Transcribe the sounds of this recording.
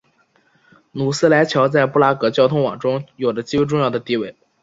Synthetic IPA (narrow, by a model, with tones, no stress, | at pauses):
nu˨˩sɹ̩˥la˧˥ɪt͡ɕʰjɑ˧˥ʊt͡sa˥˧ɪpu˥˧la˥kɤ˧˥t͡ɕjɑ˥ʊt̪ʰʊ˥ŋwɑ̰˨˩ŋʈ͡ʂʊ˥ŋjo˨˩ʊdə˦t͡ɕi˥we˥ʈ͡ʂʊ˥˧ŋjɑ˥˩ʊd̪ə˩t̪i˥˧we˥˩ɪ